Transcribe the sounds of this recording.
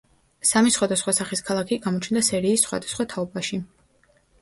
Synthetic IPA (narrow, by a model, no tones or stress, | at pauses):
samisχwad̪asχwasaχiskʰalˠakʰiɡamɔt͡ʃʰnd̪asɛɾiːsːχwa̰d̪asχwat̪ʰaɔbaʃi